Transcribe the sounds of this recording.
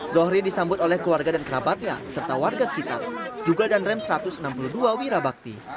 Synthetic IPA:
zɔhɾidisambʊt̪olɛhkluarɡadankəɾabat̪̚ɲa̰sərt̪awarɡasə̥kit̪a̰rd͡ʒuɡadanrɛmsəɾat̪ʊsənampuluduawiɾabak̚t̪ḭ

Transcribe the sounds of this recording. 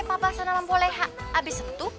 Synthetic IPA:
papasanamampolɛjɦaʔabisəkə̥t̪u

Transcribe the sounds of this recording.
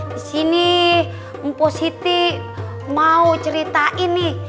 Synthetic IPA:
sini | mposit̪i | maut͡ʃəɾit̪aʔini

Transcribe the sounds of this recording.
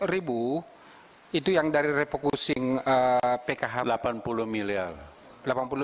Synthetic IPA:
ribu | it̪ujaŋdaɾiɾepokusɪŋəpekaɦalapanpuluhmiliar | lapanpulu

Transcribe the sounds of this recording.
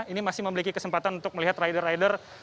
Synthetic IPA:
inimasɪhməmilikikəsəmpat̪anunt̪ʊk̚məliɦat̪rajdərːajdər

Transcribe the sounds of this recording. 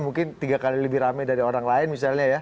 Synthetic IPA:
muŋkɪnt̪iɡakaliləbɪhɾamɛdaɾioɾaŋlaɪnmis̬alɲaja

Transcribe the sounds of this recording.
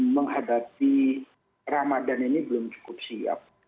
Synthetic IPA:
məŋɦadapi | ramadaninibəlʊmt͡ʃu̥kʊp̚sia̰p̚

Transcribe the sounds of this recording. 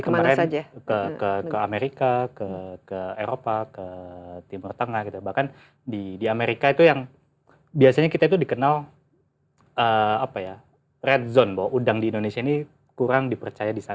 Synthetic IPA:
ikəmmaɾɛd͡ʒakəkəkkəameɾikakəkəeɾopakət̪imurt̪əŋahɡit̪ubahkan | didiameɾikait̪ujaŋ | biasaɲakit̪ait̪̬udikənal | əapaja | rɛt̪̚zɔnbawaʔudaŋdiːndonesiaini | kuɾaŋdipərt͡ʃajadisa

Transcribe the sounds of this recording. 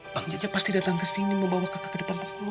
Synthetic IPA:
baŋd͡ʒad͡ʒapast̪idat̪aŋkəsiniməmbawahkakakdit̪ampaktu

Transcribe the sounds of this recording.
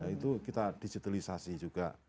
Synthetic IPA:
it̪ukit̪ad̥id͡ʒit̪alisasid͡ʒuɡ̥aʔ

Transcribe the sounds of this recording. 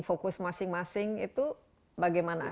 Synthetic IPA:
ŋfokʊsmasɪŋmasɪŋḭt̪u | baɡajmana

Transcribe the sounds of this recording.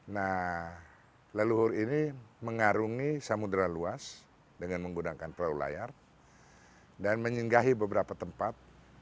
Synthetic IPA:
nah | ləluɦʊɾiniməŋaɾuŋisamudɾaluas | dəŋanməŋɡunakanpəlaula̰jar | danməɲiŋɡaɦibəbəɾapat̪əmpat̪̚

